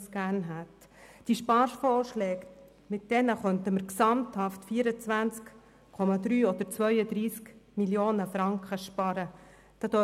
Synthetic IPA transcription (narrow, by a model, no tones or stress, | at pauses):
sɡ̥æːnɦæt̪ | d̥iʃpɑːɾfɔːɾʃlɛːk | mɪt̚d̥ɛnəχœntəməɾksɑmthɑftfiːəɾət͡sʋænt͡sk | kʰɔmɑd̪ɾyːɔd̥̪əɾt͡svœʏəd̪ɾiːskmiljoːnəfɾɑŋkχəʃpɑɾə | d̥ɑːd̥̪œ